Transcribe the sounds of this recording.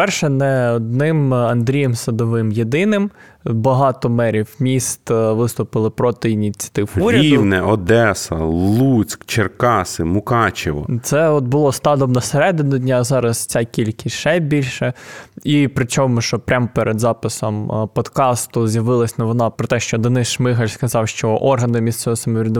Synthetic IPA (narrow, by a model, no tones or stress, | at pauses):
pɛrʃɛnɛɔd̪̚nɪmɐnd̪ɾʲijɛmsɐd̪ɔʋɪmjed̪ɪnɪm | bɐɦɑt̪ɔmɛɾʲiwmʲist̪ʋɪst̪ʊpɪlˠɪpɾɔt̪ɪinʲit͡sʲɐ̥t̪ɪwuɾʲɐɐid̪wnɛʔɔd̪ɛsɐ̰lˠut͡sʲkt͡ʃerkɑsɪmʊkɑt͡ʃɪʋɔ̰t̪sɛɔt̪̚bʊlˠɔst̪ɑd̪ɔmnɐseɾɛd̪ɪnʊdʲnʲazɑɾɐst͡sʲɑkʲilʲkʲɪsʲʃɛbʲilʲʃɛipɾɪt͡ʃɔmʊʃɔpɾʲampeɾʔɛd̪zɑpɪsɔmpɔd̪kɑst̪ʊzʲjɐʋɪlˠɐsʲnɐʋɔnɑpɾɔt̪ɛʃt͡ʃɔd̪ɐnɪʃmɪxɐlʲskɐzɑwʃt͡ʃɔʔɔrɦɐnɪmʲist̪sɔʋɔsɐmɔʋʲɾʲɪd̪ʊ